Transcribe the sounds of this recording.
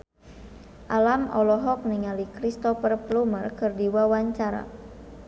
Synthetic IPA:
ʔalamɔlɔɦɔk̚niŋalikɾist̪ɔfərplumərkɨrdiwawaɲt͡ʃaɾa̰

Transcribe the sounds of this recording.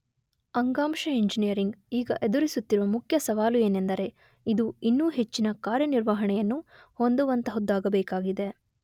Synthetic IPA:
ɐŋɡaːmʂɐiɲd͡ʒinijɐɾiŋɡiːɡɐ̰ʔe̞d̪uɾisut̪ːiɾuʋɐmukʰjɐsɐʋaːlue̞ːne̞nd̪ɐɾe̞ | id̪uinːuːɦe̞t͡ʃːinɐkaːɾjɐniɾʋaɦɐɳɛjɐnːu | ho̞nd̪uʋɐnt̪ɐɦud̪ːaːɡɐbɛːkaːɡid̪e̞

